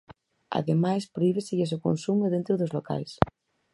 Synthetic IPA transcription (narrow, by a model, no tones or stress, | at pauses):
a̰ðemajspɾoiβeseʎes̬oko̰nsumʊðẽnt̪ɾʊðozloka̰js